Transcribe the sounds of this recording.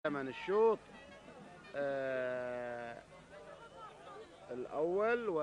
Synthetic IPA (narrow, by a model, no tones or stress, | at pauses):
amanɪʃːuːt̪ˤ | ɪlʔawːalwa